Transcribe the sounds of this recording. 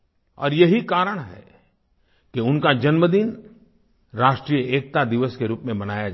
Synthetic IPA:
ɔ̰ːɾjɐɦikaːɾəɽ̃ɦɛ̰ | keʊnkad͡ʒɐnməd̪in | ɾaːʃʈɾijəeːk̚t̪ad̪ɪʋəskeɾuːpmẽbɐnaːjad͡ʒ

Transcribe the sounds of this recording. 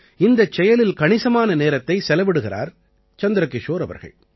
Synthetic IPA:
ɪnd̪ɐt͡ʃːɛjɐlɪlkɐɳɪsɐmaːnɐneːɾɐt̪ːɐɪsɛlɐʋɪɽɯɣɪra̰ːɾ | t͡ʃɐnd̪ɪɾɐkːɪʂoːɾɐʋɐ̰ɾɣɐ̰ɭ

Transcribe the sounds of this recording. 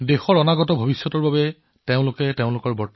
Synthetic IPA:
dexɔɹɔnaɡɔtɔbʱobisːɔtɔɹbabɛ | teʊ̃lʊkɛteʊ̃lʊkɔɹbɔɹt

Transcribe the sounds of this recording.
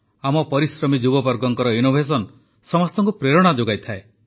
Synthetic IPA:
amɔpɔɾisɾɔmid͡ʒubɔbɔɾɡɔŋkɔɾɔinobʱes̬ɔn | sɔmɔst̪ɔŋkupɾeɾɔɽ̃ad͡ʒoɡajt̪ʰae

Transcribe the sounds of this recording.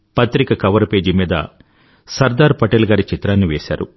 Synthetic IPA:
pɐt̪ɾikɐkɐʋɐɾpe̞ːd͡ʒimiːd̪ɐ̰ | sɐɾd̪aːɾpɐʈɛlɡaːɾit͡ʃit̪ɾaːnːiʋeːsa̰ːɾṵ

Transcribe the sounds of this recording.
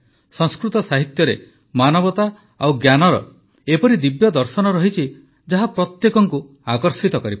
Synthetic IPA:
sɔ̃ŋskɾut̪ɔsaɦit̪jɔɾe | manɔbɔt̪a | a̰wɡjanɔɾɔ̰ | epɔɾid̪ibjɔd̪ɔɾsɔnɔɾɔɦit͡ʃʰi | d͡ʒaɦapɾɔt̪jekɔŋku | akɔɾsit̪ɔkɔɾip

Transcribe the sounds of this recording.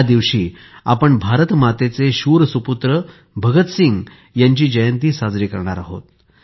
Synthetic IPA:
ad̪iʋɕiː | apəɳbʱaɾət̪mat̪et͡seɕuɾsuput̪ɾə | bʱəɡət̪siŋɡ | jaɲt͡ɕiːd͡ʑəjənt̪iːsad͡zɾiːkəɾɳa̰ɾaɦo̰t̪̚

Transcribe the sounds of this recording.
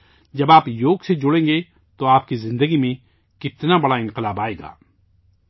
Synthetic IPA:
d͡ʒɐbaːpjoːɡsed͡ʒʊɽẽːŋɡe | t̪oaːp̚kizɪ̃nd̪əɡimẽ | kɪt̪nabɐɽaɪ̃nqɪlaːbaːeːɡa̰ː

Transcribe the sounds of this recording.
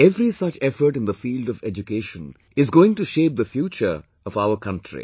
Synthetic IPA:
ɛvɾisʌt͡ʃɛfəʈɨ̃nd̪əfiːldɔvɛd͡ʒukeːʃə̃n | ɪzɡoːɪ̃ŋʈuʃeːp̚d̪əfjuːt͡ʃə̰˞ | ʌvaʊəkʰʌ̃ntʰɹḭ

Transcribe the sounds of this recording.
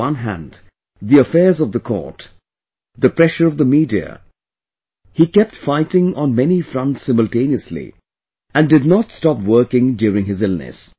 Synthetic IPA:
ʌ̃nɦæ̰̃nd | ðiəfɛɹzʌvðəkʰɔ̰ɹt | ðɨpʰɹɛʃə˞ʌvðəmidiɨ̰ | hikɛp̚tfaɪtɪ̃ŋə̃nmɛnifɹʌ̃ntsɪ̃məlˠtẽɪ̃niɨslḭ | ɨ̃ndɨdⁿnətstɑpwɜ˞kɪ̃ŋdjʊɹɪ̃ŋɨzɪlˠnɨ̰s

